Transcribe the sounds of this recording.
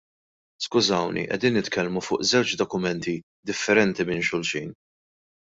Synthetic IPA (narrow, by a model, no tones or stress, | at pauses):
skʊzɐwnḭʔɛ̰d̪iːnːɪt̪kʰɛlmufʊ̰ːʔzɛwt͡ʃd̪ɔkʊmɛnt̪i | d̪ɪfːɛɾɛnt̪imɪːnʃʊlʃiːn